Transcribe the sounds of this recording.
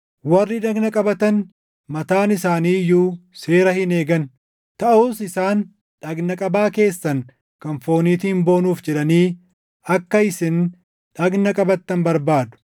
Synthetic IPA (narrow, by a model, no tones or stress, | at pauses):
wɐrːɪᶑɐɡnɐkʼɐbɐt̪ɐn | mɐt̪aːnɪsaːniːjuːse̞ːɾɐhɪne̞ːɡɐn | t̪ɐʔuːsɪsaːn | ᶑɐɡnɐkʼɐbaːke̞ːsːɐn | kɐnfo̞ːniːt̪ɪɪmbo̞ːnuːfd͡ʒɛᶑɐniː | ɐkːɐɪsɪn | ᶑɐɡnɐkʼɐbɐt̪ːɐnbɐɾbaːd̪ʊ̥